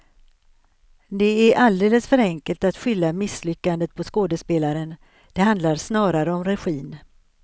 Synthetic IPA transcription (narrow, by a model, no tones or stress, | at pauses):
d̪ɛæɾʔald̪eːləsfœɾɛŋkəlt̪at̪ɧʏlːamɪslʏkːand̪ət̪̚pʰɔskoːd̪əspeːlaɾən | d̪̥ɛɦand̪laɾsnɑːɾaɾəɔmɾɛɧiːn